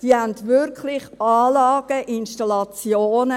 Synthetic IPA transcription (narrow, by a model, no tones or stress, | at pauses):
d̥iːhændʋɪɾkʰlɪχɑːlɑːɡ̥əʔɪnʃtɑlɑt͡sjoːnə